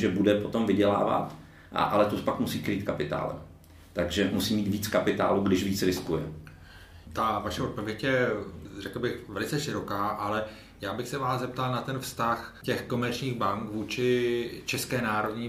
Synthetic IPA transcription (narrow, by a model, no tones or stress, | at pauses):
ʒɛbudɛpot̪omvɪɟɛla̰ːva̰t̪ | ʔa̰ʔalɛt̪upakmusiːkɾiːt̪kapɪt̪a̰ːlɛ̰ | t̪aɡʒɛmusiːmiːt̪viːt͡skapɪt̪a̰ːluːɡdɪʃviːt͡sɾɪskujɛ | t̪avaʃɛo̞t̪̚po̞vjɛcjɛrɛkl̩bɪxvɛlɪt͡sɛʃɪɾo̞kaːʔalɛ | jaːbɪxsɛvaːszɛp̚t̪alnat̪ɛnfst̪axcɛxko̞mɛɾt͡ʃɲiːɣbaŋkvuːt͡ʃɪt͡ʃɛskɛːnaːɾo̞dɲiː